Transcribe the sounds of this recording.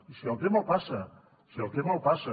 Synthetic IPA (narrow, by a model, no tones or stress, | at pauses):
isielˠt̪emopasɐ | sielˠt̪emolpasɐ